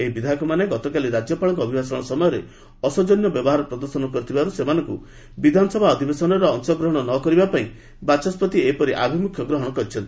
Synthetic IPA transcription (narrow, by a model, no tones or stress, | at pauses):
eibid̪ʱakɔmaneɡɔt̪ɔkaliɾad͡ʒjɔpaɭɔŋkɔbʱibasɔɽ̃ɔsɔmɔjɔɾe | ɔsɔd͡ʒɔnjɔbjɔbɔɦaɾɔpɾɔd̪ɔɾsɔnɔkɔɾit̪ʰibaɾusemanɔŋku | bid̪ʱanɔsɔbʱaɔd̪ʱibesɔnɔɾɔːŋsɔɡɾɔɦɔɽ̃ɔnɔkɔɾibapaĩ | bat͡ʃɔspɔt̪iepɔɾiʔa̰bʱimukʰjɔɡɾɔɦɔɽ̃ɔkɔɾit͡ʃʰɔnt̪i̥